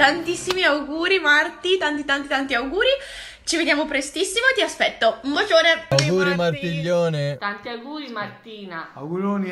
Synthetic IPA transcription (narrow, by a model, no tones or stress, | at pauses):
t̪ant̪isːimiawɡuːɾimart̪it̪ant̪it̪ant̪it̪ant̪iawɡuːɾi | t͡ʃived̪jaːmopɾest̪isːimot̪iaspɛt̪ːoumbod͡ʒoːneawɡuːɾimart̪iʎːoːnet̪ant̪iawɡuːɾimart̪iːna